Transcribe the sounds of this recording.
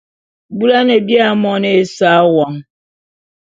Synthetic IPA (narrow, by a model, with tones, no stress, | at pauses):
bu˦la˦ne˨bja˦mɔ˦ne˨˦sa˦wɔ˨ŋ˦